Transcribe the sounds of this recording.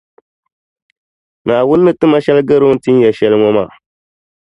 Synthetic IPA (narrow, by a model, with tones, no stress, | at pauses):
naː˨wʊ˦nː˦ɨ˨tɨ˦ma˦ʃɛ˦lɡɨ˦ɾo˦n̩˦ti˦n˦jɛ˨ʃɛ˨lɨ˦ŋɔ˦ma˨